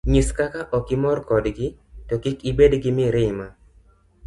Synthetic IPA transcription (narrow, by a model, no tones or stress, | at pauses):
ɲuskakaʔɔkɪmɔrkɔdɡɪtɔkɪkibedɡɪmɪɾɪma